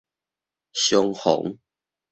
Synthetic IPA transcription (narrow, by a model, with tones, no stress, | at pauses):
ɕjo˦ŋho̰˨˦ŋ